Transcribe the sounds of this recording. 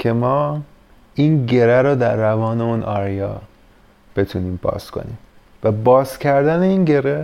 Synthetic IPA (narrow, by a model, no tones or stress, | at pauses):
cʰe̞mɒː | iːnɟe̞ɾæɾod̪æɾːævɒːne̞unʔɒːɾijɒ̰ː | b̥e̞t̪ʰuniːmpʰɒ̰ːskʰo̰nḭːm | væbɒːzcʰæɾd̪æneiːnɟe̞ɾe